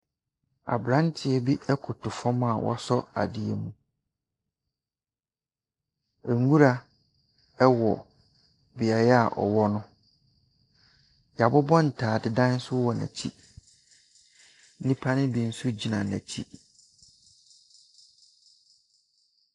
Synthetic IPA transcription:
a̰˨bɾã˦n˦tʰɪ˨ɛ˦bi˦ʔɛ˦kʰʊ˨tʰʊ˨fɔ̃˦ma˨wʔɔ̰˦sɔ˦a̰˨dɪ˨ḛ˨mũ˨ | ɛ˨ŋ˦ɡu˦ɾa˦ | ɛ˦wɔ˨ | bɪ˨a˨jɛ˦a˨ʔɔ̰˨wɔ˦nʊ̃˦ | ja˨bʊ˦bɔ̃˦n̩˨tʰaː˨dɪ˨dã˦n˦sʊ˦wɔ˨næ̰̃˨t͡ɕʰḭ˦ | nĩ˦pʰa˦nɪ̃˦bĩ˨n̩˦sʊ˦d͡ʑi˨nã˨næ̰̃˨t͡ɕʰi˦

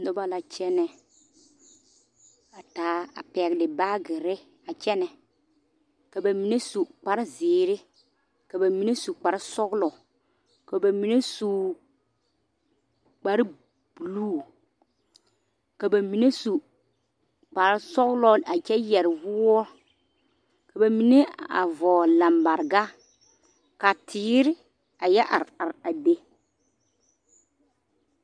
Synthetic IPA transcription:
nɔ˦ba˦la˨t͡ʃɛ˦nɛ˨ | a˨taː˨˦a̰˨pɛ˨ɡdɪ˨baː˦ɡɪ˨ɾɪ˦ | a˨t͡ʃɛ˦nɛ˨ | ka˨ba˨mi˨ne˦su˨k͡pa˨ɾɪ˦ziː˨ɾɪ˦ | ka˨ba˨mi˨˦ne˦su˨k͡pa˨ɾɪ˦sɔ˦ɡlɔ˨ | ka˨ba˨mi˨ne˦su˨ | k͡pa˨ɾɪ˦ | b̥u˨luː˦˨ | ka˨ba˨mi˨ne˦su˨ | k͡pa˨ɾsɔ˦ɣlɔ˦˨a˨t͡ʃɛ˦jɛ˨ɾɪ˨vʊ˦ɔ˦ | ka˨ba˨mi˨ne˦a̰˨vɔː˨la˨mba˨ɾɡa˦ | ka˨tʰɪː˨˦ɾɪ˦ | a˨jɛ˦ʔa̰˨ɾa˨ɾa˨de˦

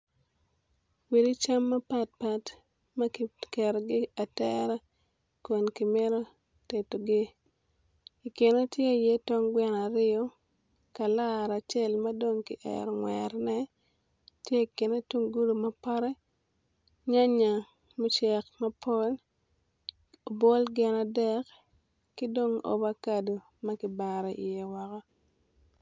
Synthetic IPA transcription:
wi˨di˦t͡ʃa˦mːɐ˦pa˦t̚pa˨t | mɐ˦kikɛ˨ɾɡɪ˦a˨tɛ˦ɾa˦ | ko˨nki˨mɛ˦ɾo˦ | te˨to˨ɡɪ˦ | i˨kɪ˨no˦tje˦˨je˦tɔ˦ŋɡwɛ˦na˨ɾɪ˦o˦ | ka˨la˦ɾa˨t͡ʃe˦lma˦do˦ŋki˨ʔɛ̰˨ɾŋwɛɾnɛ˦ | tje˦˨kɪ˨ne˦tu˦ŋɡu˦lma˦pa˦ɾɛ˦ | ɲa˦ɲa˨ | mu˦t͡ʃɛ˨kma˦pʰo˦l | o˨bo˦lɡɛ˨na˨dɛ˦k | kɪ˦do˦ŋo̰˨ba˦ka˨do˨ | ma˦kɪ˨ba˨ɾe˨ʔḭ˨jɛ˨wa˨ka˦

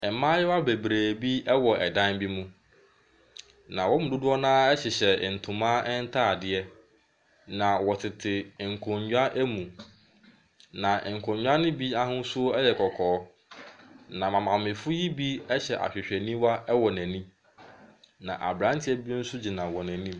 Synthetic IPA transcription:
ɛ˨˦mã˦jɛ˦wa˦bɛ˨bɾæː˨bi˦ɛ˦wɔ˨ʔɛ˨dã˦nbi˦mũ˦ | nã˨wɔ˦mʊ̃˨dʊ˦dʊ˦ɔ˦nãː˦ɛ˦ɕɛ˨ɕɛ˨n̩˨tʰʊ̃˨mãː˦ɛ˦n̩˦tʰa˦˨dɪ˨˦ɛ˦ | nã˨wɔ˨tʰɪ˨tʰɪ˨ŋ̩˨kʰõ˨ɲɲᶣ˦a˦ʔɛ˦mũ˨ | nã˨ŋ̩˨kʰɔ̃˨ɲɲᶣ˦a˦nɪ̃˦bi˦a˦ɦʊ̃˦n˦sʊ˦o˦ɛ˦jɛ˨kʰɔ˨kʰɔː˨˦ | nã˨mã˨mã˨mɪ̃˨fʊ˦ji˦bi˦ɛ˦ɕɛ˨ʔa̰˨ɕᶣɪ˨ɕᶣɛ˨nĩ˦wa˦ɛ˦wɔ˨næ̃˨nĩ˦ | nã˨ʔa̰˨bɾã˦ntʰɪ˦ɛ˦bi˦n̩˦sʊ˦d͡ʑi˨nã˨wɔ˨næ̃˨nĩ˦

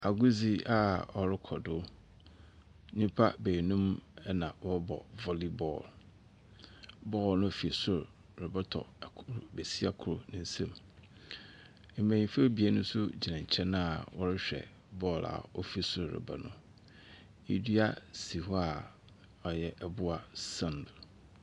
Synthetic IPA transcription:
a˨ɡu˦zi˦a˨ɔ˨ɾɪ˦kʰɔ˨dʊ˦ | ɲĩ˦pʰa˦be˨nũ˦mɛ˦nã˨wɔ˦bɔ̰˨vɔ˨li˦bɔ̰˦˨l | bɔː˦˨lnʊ̃˦˨fi˨sʊ˦ɾ | ɾɪ˨ba˦tʰɔ̰˨kʰɾbe˨si˦a˦kʰʊ˦˨ɾʊ̰˨nʊ̃˦n̩˦sɛ̃˦m˨ | mæ̃˨ĩ˨˦fe˦bi˨a˦nʊ̃˦sʊ˦d͡ʑi˨nã˨ɲ˨t͡ɕʰɛ̃˦nã˦a˨wɔ˦ɾɪ˦ɕᶣɛ̰˨ | bɔː˦˨la̰˨ɔ˦fi˦˨sʊ˦ɾɾɪ̰˨ba̰˦nʊ̰̃˦ | ḭ˦di˦a˦si˨hɔ˦a˨ | ɔ˨jɛ˨ʔɛ˦bʊ˦a˨sã˨nd

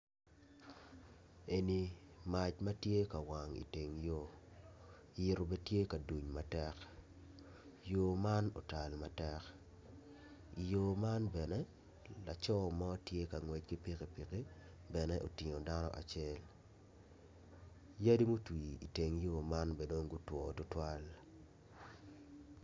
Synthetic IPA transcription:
e˨ni˨ma˨t͡ʃma˦tje˦ka˨wa˨ŋḭ˨te˨ŋjo˦ | jɪ˨ɾo˨be˦tje˦ka˨du˨ɲma˨tɛ˦k | jo˨ma˦no̰˨ta˨lma˨tɛ˦k | i˨jo˨ma˦nbɛ˨nɛ˦ | la˨t͡ʃɔ˦ma˦o˦tje˦ka˨ŋwe˨t͡ʃki˦pi˦ke˨pi˨ke˦ | bɛ˨nɛ˦ʔo˨tɪ˨ŋo˨da˦nɔ̰˨ʔa̰˨t͡ʃe˦l | ja˦di˦mu˦twi˨ḭ˨te˨ŋjo˦ma˦nbe˨do˦ŋɡu˦twɔ˨tʊ˦twa˦l

